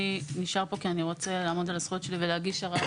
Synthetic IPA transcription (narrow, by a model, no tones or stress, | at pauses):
iniʃaʁpo̞kianiʁo̞t͡selaːmo̞d̪alasχujotʃe̞liveleaɡiʃaʁa